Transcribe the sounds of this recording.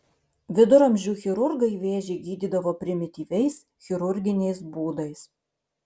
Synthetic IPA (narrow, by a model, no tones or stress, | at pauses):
ʋʲɪd̪ʊɾɐmʲʒʲuːxʲɪɾʊɾɡɐɪʋʲeːʒʲeɪɡʲiːd̪ʲiːd̪ɐʋoːpʲɾʲɪmʲɪt̪ʲiːʋʲɛɪs | xʲɪɾʊɾʲɡʲɪnʲɛɪsbuːd̪ɐɪs